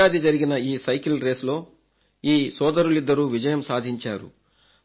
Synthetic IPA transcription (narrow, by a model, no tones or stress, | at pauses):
aːd̪id͡ʒɐɾiɡinɐiːsɐjkilɾe̞ːslo̞ː | iːsɔːd̪ɐɾulid̪ːɐɾuːʋid͡ʒɐjɐmsaːd̪ʱiɲt͡ʃaːɾṵ